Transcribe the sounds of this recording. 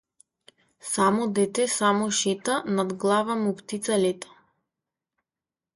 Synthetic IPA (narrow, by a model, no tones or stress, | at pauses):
samɔd̪ɛt̪ɛsamɔʃɛt̪anad̪ɡlˠavamupt̪it̪salɛt̪ḁ